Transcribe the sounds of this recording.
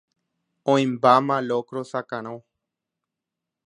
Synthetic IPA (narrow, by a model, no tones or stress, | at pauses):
õĩmbamãlokɾosakãɾ̃õw